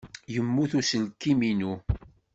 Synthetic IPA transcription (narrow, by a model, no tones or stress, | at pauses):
jəmːuθusəlkːiminu